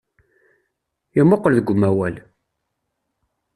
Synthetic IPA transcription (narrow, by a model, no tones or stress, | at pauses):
ɪmːoqːəlðəɡʷːʊmːæwæl